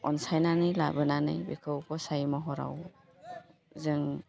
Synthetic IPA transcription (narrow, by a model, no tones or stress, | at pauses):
ɔnsajnanɯjla̰bɯnanɯ̰jbekʰɯwkʰɔsajmɔɦɔɾa̰w | zɯŋ